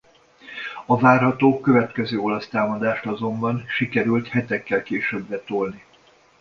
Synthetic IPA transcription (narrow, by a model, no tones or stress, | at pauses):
ɒvaːrɦɒt̪oːkøvɛt̪kɛzøːo̞lɒst̪aːmɒd̪aːʃt̪ɒzo̞mbɒnʃikɛɾylt̪hɛt̪ɛkːɛlkeːʃøbːɛt̪olni